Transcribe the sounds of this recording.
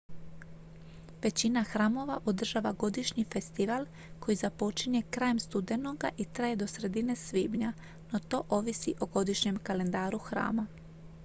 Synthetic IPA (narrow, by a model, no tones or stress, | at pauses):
ʋe̞t͡ɕinaxɾaːmo̞ʋaʔod̪r̩ʒaːʋaɡo̞d̪iʃɲife̞st̪iʋal | ko̞jizapo̞t͡ʃiɲe̞kɾaːjemst̪ud̪e̞no̞ɡaʔit̪ɾaːje̞d̪o̞sɾe̞d̪ine̞sʋiːbɲa | no̞t̪o̞ːʔo̞ʋisiʔoɡo̞d̪iʃɲe̞mkale̞nd̪aːɾuxɾa̰ːma